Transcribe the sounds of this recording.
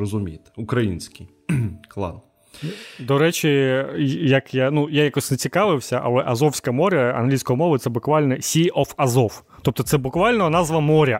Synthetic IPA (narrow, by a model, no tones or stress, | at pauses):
ɔzʊmʲijt̪ʊkɾɐjinsʲkɪj | klˠɑ̰n | d̪ɔɾɛt͡ʃʲi | jɐkjanujajakɔsʲnet͡sʲikɑʋɪwsʲɐʔɐ̰lˠɛʔɐzɔwsʲkɐmɔɾʲɐɐ̰nɦlʲisʲkɔjimɔʋɪt̪sɛbʊkʋɑlʲnɛsʲiɔfɐzɔw | t̪ɔp̚t̪ɔt̪sɛbʊkʋɑlʲnɔnɑzʋɐmɔɾʲɐ